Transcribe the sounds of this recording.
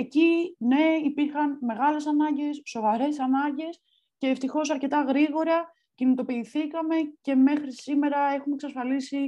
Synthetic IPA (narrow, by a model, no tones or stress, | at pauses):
ecine̞ipiɾxɐnme̞ɣɐle̞sɐnɐɲɟe̞sːo̞vɐɾe̞sɐnɐɲɟe̞s | ce̞ːft̪ixo̞sɐɾce̞t̪ɐɣɾiɣo̞ɾɐ | cinit̪o̞piːθikɐme̞ce̞me̞xɾisime̞ɾɐe̞xume̞ksɐsfɐlisi